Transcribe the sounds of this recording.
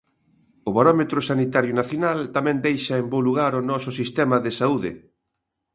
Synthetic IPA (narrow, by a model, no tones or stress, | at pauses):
ʊβaɾɔmet̪ɾʊsanit̪aɾjʊnaθjonalt̪amɛ̃nd̪ejʃɐembowluɣaɾʊnɔsʊsist̪ɛmɐðɪsauðɪ̰